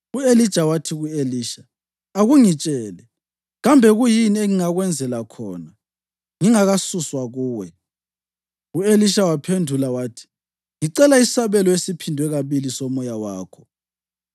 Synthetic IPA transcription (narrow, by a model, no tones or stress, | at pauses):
uelid̥ʒ̥ʱawatʰiɣueliːʃa | aɣuŋit͡ʃʼɛːlɛ | ɣambʱɛɣujinieŋiŋaɣwɛnd͡zʱɛlakʰɔːna | ŋiŋaɣasuswaɣuːwɛ | ueliʃawapʰendʱulawaːtʰi̥ | ŋiǀɛlaisaβɛlɔesipʰindʱwɛɣaβilisɔmɔjawaːkʰɔ̥